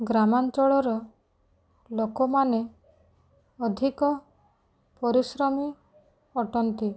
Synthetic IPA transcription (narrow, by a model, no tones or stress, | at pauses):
ɡɾamant͡ʃɔɭɔɾɔ | lokɔmane | ɔd̪ʱikɔ | pɔɾisɾɔmi | ɔʈɔnt̪i